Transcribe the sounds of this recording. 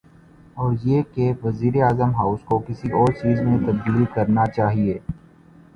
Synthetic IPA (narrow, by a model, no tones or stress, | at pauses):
ɔːɾjeːkeʋɐziːɾeaːzəmɦaːʊskokɪsiɔːɾt͡ʃiːzmẽt̪ɐb̚d̪iːlkɐɾnat͡ʃaːɦieː